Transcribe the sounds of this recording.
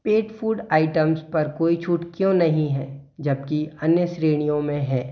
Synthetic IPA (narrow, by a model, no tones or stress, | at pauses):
peːʈfʰuːɖaːɪʈəmspɐɾkoːit͡ʃʰuːʈkijõnɐɦĩɦɛː | d͡ʒɐb̚kiɐnjəsɾeːɽ̃ijõmẽɦɛː